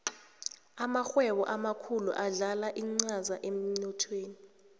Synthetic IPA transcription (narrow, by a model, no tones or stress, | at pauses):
amaxwɛɓɔʔamakʰulṵʔaɮalaʔiŋ͡ǀazaʔem̩nɔtʰweːni